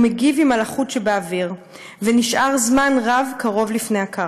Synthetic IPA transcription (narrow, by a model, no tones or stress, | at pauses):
meɡivimalaχutʃebeaviʁ | veniʃʔaʁzmanʁavkaʁo̞vlifneaka